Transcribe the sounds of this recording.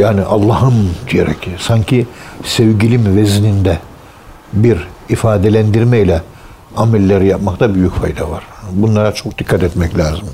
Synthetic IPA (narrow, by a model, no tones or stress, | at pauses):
jaːniʔalˠːɑɦɯmd̪ijeɾɛ̰cʰsaɲcʰisɛvɟilʲimveznind̪ɛ | biɾifaːd̪elʲænd̪iɾmɛjlʲɛ | amɛlʲːeɾijapmakt̪ʰabyjycfajd̪avaɾ̥bunlˠaɾat͡ʃʰokd̪ikʰːat̪ɛt̪mɛclʲaːzɯm